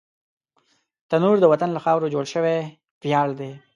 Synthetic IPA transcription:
t̪anuɾd̪əwat̪anlaxɑwɾod͡ʒoɽʃəwe | pjɑɽd̪e

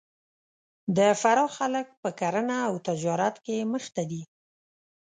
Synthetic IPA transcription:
d̪əfaɾɑxalək̚pəkaɾənaːwt̪ad͡ʒɑɾat̪keməxt̪ad̪i

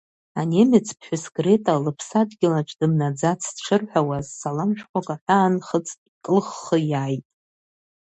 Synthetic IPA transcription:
anemɪt͡sʰpʰħʷᶣʊskʼre̞tʼalɨpʰsadɡʲɪlaʈ͡ʂʷʰʼdɨmnad͡zat͡sʰdʈ͡ʂʰɨrħʷᶣawazːalamʃqʷakʼaħʷᶣaːnχət͡sʼ | kʼɨlχːəjaːjtʼ

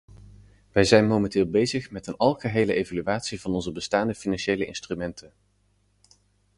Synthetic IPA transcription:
ʋɛjzɛjnmowmɛntɪːlˠbejzəχmɛtənɑlˠχəɦejləʔejvalyʋaːtsivɑnɔnzəbəstaːndəfinɑnʃejləʔɪ̰nstrymɛntʰən

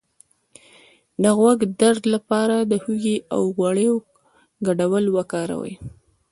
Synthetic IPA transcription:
d̪əɣwaɡd̪aɾd̪lapɑɾad̪əhuɡiʔa̰wɣwaɽeo | ɡaɖawəlwakɑɾa̰wə̰j

